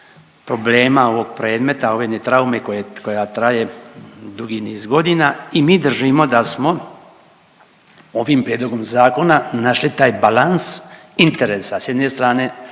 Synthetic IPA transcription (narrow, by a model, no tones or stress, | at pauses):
pɾo̞ble̞ːmao̞ʋo̞ɡ̚pɾeːd̪me̞t̪ao̞ʋed̪net̪ɾaume̞kojeko̞jat̪ɾaje̞d̪uɡiniːzɡo̞d̪inaimiːd̪r̩ʒimo̞d̪asmo̞ | o̞ʋimpɾje̞d̪lˠo̞ɡo̞mzaːko̞nanaʃlit̪aːjbalansint̪eɾeːsasjed̪ne̞st̪ɾaːne̞